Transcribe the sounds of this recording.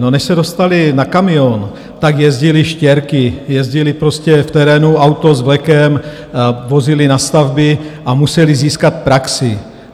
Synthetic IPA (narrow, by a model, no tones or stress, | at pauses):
nonɛʃsɛdo̞st̪alɪnakamɪon | t̪aɡjɛzɟɪlɪʃcɛɾkɪjɛzɟɪlɪpɾoscɛft̪ɛɾɛːnuawt̪ozvlɛkɛm | vozɪlɪnast̪avbɪʔamusɛliziːskat̪̚pɾaksɪ